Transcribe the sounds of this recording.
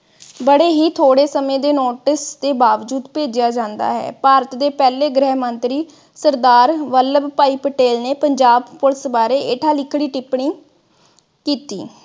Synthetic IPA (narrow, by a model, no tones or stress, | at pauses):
bəɽeːɦiːt̪ʰoːɽeːsəmẽːd̪eːnoːʈɪst̪eːbaːʋd͡ʒuːd̪peːd͡ʒɪjaːd͡ʒãːnd̪a̰ːɦɛ̰ːpaːɾət̪d̪eːpɛːleːɡɾɛːɦmənt̪ɾiː | səɾd̪aːɾʋələbpaːiːpəʈeːlneːpəɲd͡ʒaːbpʊɾsbaːɾeːʔɪʈʰaːlɪkʰɽiːʈɪpɳiː | kiːt̪ḭː